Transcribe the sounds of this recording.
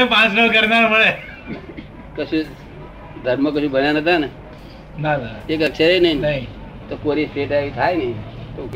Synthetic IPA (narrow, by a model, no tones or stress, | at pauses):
epãt͡ʃnəɭkəɾnaɾməɭe | kəsũ | d̪ʱəɾmək̬əʃũbʱənjan̤ət̪̬ana | nanaekəkʃʰəɾenəɦinnaɦĩ | t̪okoɾisʈeʈait̪ʰajnəɦĩt̪o